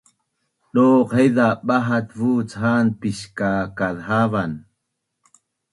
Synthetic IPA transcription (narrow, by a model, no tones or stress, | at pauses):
ɗoːqhejðaɓaɦat̪vuːt͡sɦaːnpiʃkaːkaðɦavan